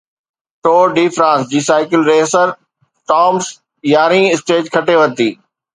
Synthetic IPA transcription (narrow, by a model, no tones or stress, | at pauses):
ʈoːɖiːfɾãːsd͡ʑiːsaːɪkɪlɾeːsəɾ | ʈɔːms | jaːɾĩɪsʈeːd͡ʑkʰɐʈeʋɐt̪iː